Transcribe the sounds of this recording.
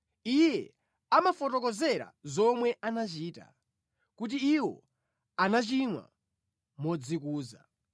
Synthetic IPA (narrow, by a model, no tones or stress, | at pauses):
ijɛ | amafɔtɔkɔzɛɾa̰zɔmwɛʔanat͡ʃiːta̰ | kut̬iiwɔ̰ | anat͡ʃinwa̰ | mɔd͡zikuːza̰